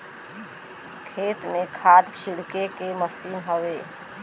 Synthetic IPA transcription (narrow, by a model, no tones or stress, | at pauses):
kʰeːt̪mẽkʰaːd̪t͡ʃʰɪɽkekeməsiːnɦoʋeː